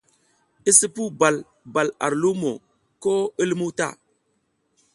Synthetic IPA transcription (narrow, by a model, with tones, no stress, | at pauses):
i˦si˦pu˦ba˨l | ba˨la̰˨ɾlu˦mo˨ | ko˦i˦lmu˦ta̰˦˨